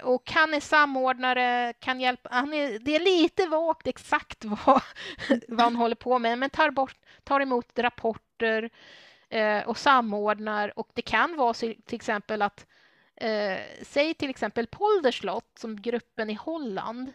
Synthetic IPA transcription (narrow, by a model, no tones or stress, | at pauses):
ɔkhanːɛsamːoːɖɳaɾəkʰanjɛlpahanɛd̪ɛæɭiːt̪əvɑːkt̪ɛksakt̪va | vahanɦɔlːəɾpʰoːmɛmɛnt̪ʰɑːɾbɔʈː | t̪ʰːɑːɾɛmuːt̪ɾapʰɔʈːəɾ | ʔɔsamːoːɖɳaɾɔkd̪ɛkʰanvɑːsɪt̪ʰɪlɛksɛmpəlat̪ | sɛjːt̪ʰɪlɛksɛmpəlpʰɔld̪əʂɭɔt̪ːsɔmɡɾɵpːənɪhɔlːa̰nd̪